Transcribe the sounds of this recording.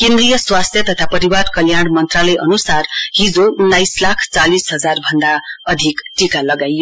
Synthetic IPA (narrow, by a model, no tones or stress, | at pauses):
kẽnd̪rijʌswast̪ʰjʌt̪ʌt̪ʰapʌɾiwarkʌljaɽ̃mʌnt̪ralʌjʔʌnusarɦid͡zounːajslakʰt͡salisɦʌd͡zarbʱʌnd̪aʌd̪ʱikʈikalʌɡajo